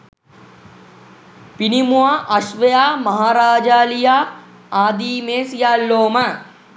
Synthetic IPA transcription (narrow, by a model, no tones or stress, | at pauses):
pinimuaʔɐʃʋɐjaːmɐɦaːɾaːd͡ʒaːlijaː | aːd̪iːmeːsjaːlːoːma